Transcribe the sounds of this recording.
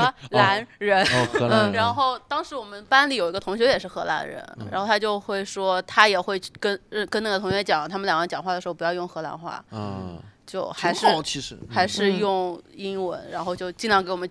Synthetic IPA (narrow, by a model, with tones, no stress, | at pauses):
xla˧˥nɻə˧˥nɻa˧˥nxo˥˩ʊt̪ɑ˥ŋʂɻ̩˧˥wɔ˨˩mə˦npa˥nli˨˩jo˨˩ʊi˧˥ɡə˧t̪ʰʊ˧˥ŋɕjo˧˥ʊjɛ˨˩ʂɻ̩˥˩xɤ˧˥la̰˧˥nɻə̰˧˥nɻa̰˧˥xo˥˩ʊt̪ʰa˥t͡ɕjo˥˧ʊxwe˥˩ɪʂwɔ˥t̪ʰa˥jɛ˨˩xwe˥˧ɪ˥˩kə˥n˥kə˥na˥˩ɡə˩t̪ʰʊ˧˥ŋɥɛ˧˥t͡ɕjɑ˨˩˦ŋ˦t̪ʰa˥mə˨ljwə˧˥nt͡ɕjɑ˨˩ŋxwa˥˩ə˩ʂɻ̩˧˥˩pu˧jɑ˥˧ʊjʊ˥˩ŋxɤ˧˥la̰˧˥nxwa̰˥˩ | t͡ɕjo˥˩ʊxa˧˥ɪʂɻ̩˥˧˥xa˧˥ɪʂɻ̩˥˧jʊ˥˩ŋi˥nwə̰˧˥nɻa˧˥nxo˥˧ʊt͡ɕjo˥˧ʊt͡ɕi˥˧nlɑ˥˩ŋke˧˥ɪwɔ˨˩mə˦